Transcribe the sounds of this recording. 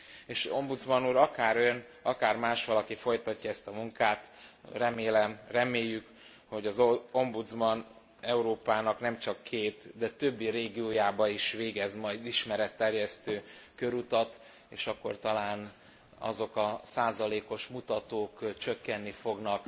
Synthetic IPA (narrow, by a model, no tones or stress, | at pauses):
eːʃo̞mbud̪zmɒnuːɾɒkaːɾøn | ɒkaːrmaːʃʋɒlɒkifo̞jt̪ɒcːɒɛst̪ɒmuŋkaːt̪rɛmeːlɛmrɛmeːjːyk | ho̞ɟɒzoo̞mbud̪zmɒn | ɛuɾoːpaːnɒknɛmt͡ʃɒkʰːeːt̪d̪ɛt̪ø̞bːiɾeːɡioːjaːbɒiʃʋeːɡɛzmɒjd̪iʃmɛɾɛt̪ːɛrjɛst̪øːkøɾut̪ɒt̪ | eːʃɒkːo̞̰rt̪ɒlaːn | ɒ̰zo̞kɒsaːzɒleːko̞ʃmut̪ɒt̪oːkt͡ʃøkːɛnːifo̞ɡnɒk